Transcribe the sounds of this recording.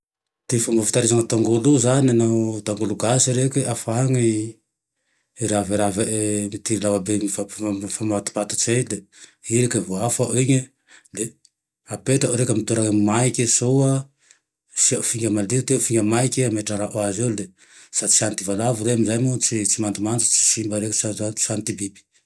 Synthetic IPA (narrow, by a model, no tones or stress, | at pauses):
t̪efambafi̥t̪aɾezaŋət̪aŋɡoluzanianawt̪aŋɡuluɡasiɾekʲiafaŋi | ɾaviɾavemit̪iɾilawabeifafamat̪i̥pat̪ḁt͡sejleiɾekəvoafaʔiɲə | le | apet̪aɾekʲəmit̪uɾamajkʲisowa | safiŋɡʲaəmaliɾt̪efiŋəmajkʲiameʈ͡ʂaɾaʔoazewle | sat͡si̥ant̪ivalavuɾeamizajmut͡sit͡simand̪imant͡su̥t͡si̥simbəɾeksaat͡sant̪ibibi̥